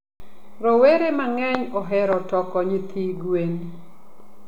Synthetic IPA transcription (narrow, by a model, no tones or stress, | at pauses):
ɾɔweɾemaŋɛɲɔɦɛɾɔtɔkɔɲit̪ʰiɡwen